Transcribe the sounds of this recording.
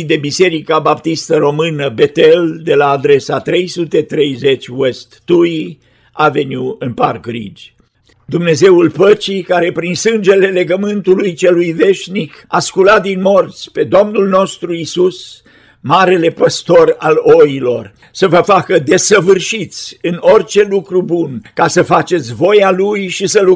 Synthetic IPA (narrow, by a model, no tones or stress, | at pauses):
d̪e̞bise̞ɾikabapt̪ist̪əɾo̞mɨnəbe̞t̪e̞ld̪e̞laːd̪ɾe̞sat̪ɾe̞jsut̪e̞t̪ɾe̞jze̞t͡ʃʲwe̞st̪ːui | ave̞njuɨnparkɡɾḭd͡ʒʲ | d̪umne̞ze̞ulpət͡ʃikaɾe̞pɾinsɨnd͡ʒe̞le̞le̞ɡəmɨnt̪ulujt͡ʃe̞lujve̞ʃnikaskulat̪̚d̪inmo̞rt̪sʲpe̞d̪o̞mnulno̞st̪ɾuisus | maɾe̞le̞pəst̪o̞ralo̞ilo̞r | səvəfakəd̪e̞səvɨrʃit̪sʲɨno̞rʲt͡ʃe̞lukɾubunkasəfat͡ʃe̞t̪sʲvo̞jalujʃisəlu